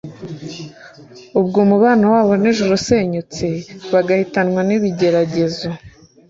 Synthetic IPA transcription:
ubɡuːmuβaːnawaːβo̞neʒuɾoseɲut͡siβaɡahitanŋwaniβiɟe̞ɾaɟe̞zo

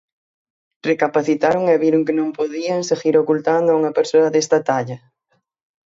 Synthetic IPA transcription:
rekapaθit̪aɾoŋɛβiɾʊŋkɪnõŋpoðiaŋseɣiɾokult̪and̪ʊauŋɐpeɾsoɐðest̪ɐt̪aʎɐ

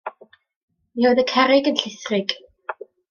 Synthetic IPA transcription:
miowðəkʰɛɾɪɡənɬɪθrɪɡ̥

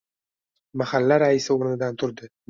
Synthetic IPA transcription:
mahalːaɾaɪsɪoɾnɪd̪ant̪ʰʊɾd̪ɪ

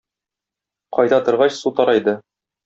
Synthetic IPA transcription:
qɒjd̪ɑt̪ŏɾʁɑɕsut̪ɒɾɑjd̪ɤ

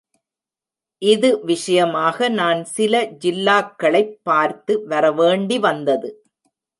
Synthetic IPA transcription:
ʔɪðɯʋɪʂɐjɐmaːɣɐnaːnsɪlɐd͡ʒɪlːaːkːɐɭɐɪpːaːɾt̪ɯʋɐɾɐʋeːɳɖiʋɐnd̪ɐðɯ

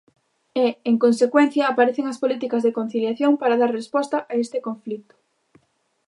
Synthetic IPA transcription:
eeŋkonsekwen̟θjɐːpaɾeθeŋɐspolit̪ikɐzðekon̟θiljaθjoŋpaɾaðaɾrespɔst̪ɐʔaest̪ekoɱflit̪ʊ̥

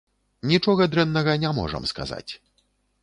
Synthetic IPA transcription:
nʲit͡ʂɔɣɐd̪ɾɛnːɐɣɐnʲamɔ̰ʐɐ̰mska̰za̰t͡sʲ

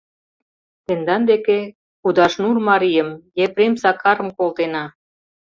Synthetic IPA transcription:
t̪end̪ɑnd̪eke | kud̪ɑʃnurmɑɾijə̆mjepɾemsɑkɑɾə̆mkolt̪enɑ

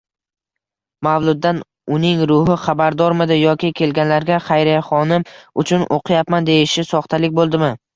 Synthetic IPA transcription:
mawlˠʊd̪ːan | ʊnɪŋɾʊɦɪχabaɾd̪ɒɾmɪd̪ɪjɒkʲɪkʲʰe̞lɡʲanlaɾɡʲaχɑjɾajχɒnɪmʊt͡ʃʰʊnʔo̰qʰɨjapmand̪e̞jɪʃɪsɒχt̪ʰalɪk̚ʲbolˠd̪ɪmɪ

